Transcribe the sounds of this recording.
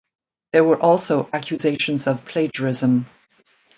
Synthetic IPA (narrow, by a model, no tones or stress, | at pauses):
ðə˞wə˞ʔɔlˠsoʊʔækʰjɨzeɪʃə̃nzʌv̥pʰl̥eɪd͡ʒəɹɪzə̃m